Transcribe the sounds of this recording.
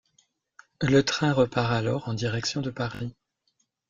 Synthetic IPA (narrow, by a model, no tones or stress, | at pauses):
lət̪χɛ̃ʁəpaʁalɔʁɑ̃d̪iʁɛksjɔ̃d̪əpaʁi